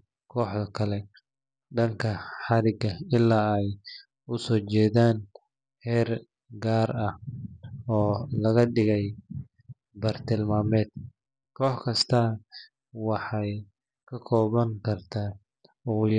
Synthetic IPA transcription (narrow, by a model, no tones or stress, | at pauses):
kʰɔːħd̪ɐkʰɐlɛ | ɖɐŋkʰɐħɑɾɪɡɐɪlːaːɛj | ʊsɔːt͡ʃɛːðaːn | hɛːr | ɡaːɾɐh | ɔːlɐɣɐɖɪɣɛj | bɐrt̪ʰɪlmaːmɛːd̪̥ | kʰɔːħkʰɐst̪ʰa | wɑħɑj | kʰɐkʰɔːβɐŋkʰɐrt̪ʰaː | ʊɣj